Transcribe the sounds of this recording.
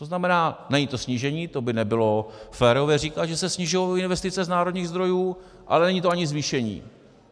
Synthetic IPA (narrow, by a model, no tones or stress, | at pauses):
t̪oznamɛnaːnɛɲiːt̪o̞sɲiːʒɛɲiːt̪obɪnɛbɪlo̞fɛːɾo̞vjɛr̝iːkaʒɛsɛsɲiʒʊjowɪnvɛst̪ɪt͡sɛznaːɾo̞d̪ɲiːɣzd̪ɾo̞juː | ʔa̰lɛnɛɲit̪oaɲɪzviːʃɛɲḭː